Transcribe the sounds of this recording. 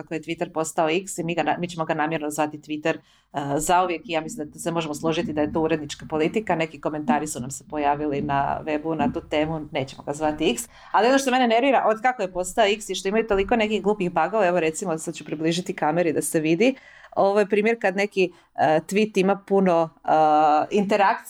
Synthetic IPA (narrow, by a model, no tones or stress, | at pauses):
kakoje̞t̪ʋit̪eɾpo̞st̪ao̞iksimiːɡanamit͡ɕe̞mo̞ɡanaːmje̞ɾnozʋat̪it̪ʋit̪eɾ | zauʋjekijaːmislimd̪at̪semo̞ʒe̞moslˠoʒit̪id̪aje̞t̪ouɾe̞d̪nit͡ʃkapo̞lit̪ikane̞kiko̞me̞nt̪aːɾisunamsepo̞jaːʋilina̰ʋe̞bunat̪uːt̪e̞ːmune̞ːt͡ɕemo̞ɡazʋat̪iiks | alionoʃt̪omenene̞ɾʋiɾaʔo̞d̪kakojepo̞st̪ao̞iksiʃt̪o̞imajut̪o̞liko̞nekiɣɡlˠuːpixbaɡoʋaeʋoɾe̞t̪simosad̪t͡ɕupɾibliʒit̪ikameɾid̪aseʋid̪ioʋojpɾiːmjeɾkad̪ne̞ki | ət̪ʋit̪imapuno̞ | int̪eɾakt̪s